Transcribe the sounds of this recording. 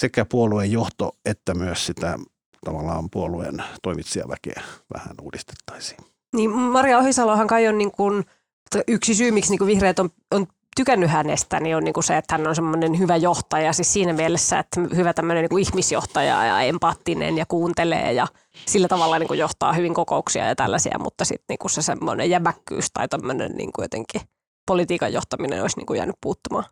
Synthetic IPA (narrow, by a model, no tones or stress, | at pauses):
sekæpuoluejjoht̪o̰et̪ːæmyøssit̪æ̰ | t̪ɑʋɑlːˑɑ̰ːmpuoluḛnt̪oimit̪siɑ̰ʋækḛʋæ̰hæ̰nuːdist̪e̥t̪ːɑ̥isi̥ː | niːmmɑrjɑohisɑlohɑŋkɑionniːŋkun | t̪ʔyksisyːmiksniːkuʋihreːt̪om | on | t̪ykænːyhænḛst̪ænionniːŋkuseet̪hænːonsemːonenhyʋæjoht̪ɑjɑsissiːnæmiɛelesːæḛt̪hyʋæt̪æmːøneniːkuihmisjoht̪ɑjɑ̰jɑ̰empɑt̪ːinḛnjɑkuːnt̪elḛːjɑ | silːæt̪ɑʋɑlːɑniːŋkujoht̪ɑ̰ːhyʋiŋkokouksiɑ̰jɑt̪æ̰lːæsḭæ̰mṵt̪ːɑsḭt̪nḭːŋkusesḛmːo̰nḛjæmækːy̰ːst̪ɑit̪æmːønḛnnḭːŋkujo̰t̪ḛŋki | polit̪iːkɑ̰jo̰ht̪ɑminḛno̰isnḭŋkujæ̰ːnyppuːt̪ːumɑ̰ː